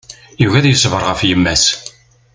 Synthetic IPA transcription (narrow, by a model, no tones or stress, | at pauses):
juɣæðjəsvəɾˤʁəfjəmːæs